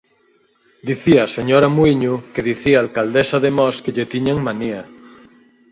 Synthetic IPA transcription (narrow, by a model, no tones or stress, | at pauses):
d̪iθiaːseɲoɾamuiɲukeðiθiaːlkald̪esaðemɔskeʎet̪iɲeŋmania